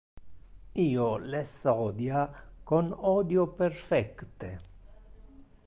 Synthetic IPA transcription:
iːolesɔːd̪jakonɔd̪joperfɛkt̪e

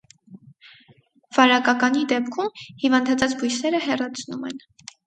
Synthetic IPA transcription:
v̥ɑɾɑkɑkɑnid̪ɛpkʰumhivɑnd̪ɑt͡sʰɑt͡sbujsɛɾəhɛrɑt͡sʰnumɛ̰n

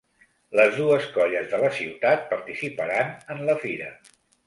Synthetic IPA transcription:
ləzðuəskɔʎəzðələsiwt̪at̪̚pəɾt̪isipəɾanənləfiɾə

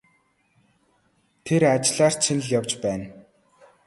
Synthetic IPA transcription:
t̪ʰeɾat͡ɕɪɮaːr̥t͡ɕʰin̆ɮjawt͡ɕpæːn

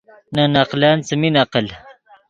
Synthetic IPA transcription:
nanaqlaːnt͡səminaqəl

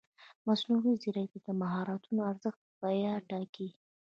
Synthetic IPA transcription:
masnuɣiziɾajt̪ad̪̥əmaɦɑɾɑt̪unoaɾzəxt̪̚bɑjɑʈɑki

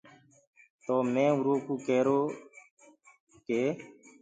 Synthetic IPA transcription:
t̪oːmẽːuɾoːkuːkeːɾoː | keː

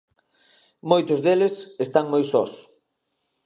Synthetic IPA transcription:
mojt̪ʊzðelɪsest̪aŋmojsɔs

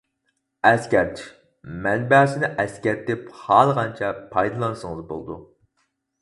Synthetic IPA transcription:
ɛskʲɛɾt̪ | mɛnbæːsɪnɪʔɛskʲɛɾt̪ːɪphɑːlˠʁɑnt͡ʃʰɛpʰɑjd̪ɨlˠɑnɨsəŋɨzbo̰lˠɨd̪u

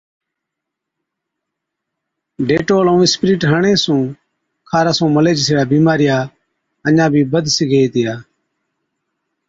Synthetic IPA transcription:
ɖeːʈoːlõːɪspɾiːʈɦəɳẽːsũː | kʰaːɾaːsũːməleːd͡ʒseːɽaːbiːmaːɾɪjaː | əɲãːbʱiːbəd̪ʱsiɡeːiːt̪ɪjaː

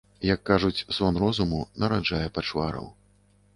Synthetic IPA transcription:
jɐkːaʐut͡sʲzvɔnrɔzumunɐɾad͡ʐajɛpat͡ʂvaɾɐ̰w

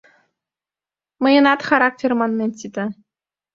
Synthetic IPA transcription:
mɤ̆jɤ̆nɑt̪χɑɾɑk̚tʲermɑnmʲenʲt̪ʲit̪ʲɘ

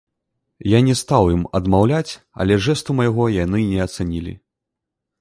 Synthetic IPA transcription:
janʲɛst̪awjimɐd̪mawlʲat͡sʲ | ɐ̰lʲɛʐɛst̪umɐjɣɔjanɨnʲɛɐt̪sanʲilʲḭ

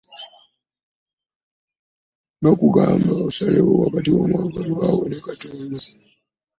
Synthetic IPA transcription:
nokuɡambaosalewowaβatiwomaŋɡalawonekatuːnzi

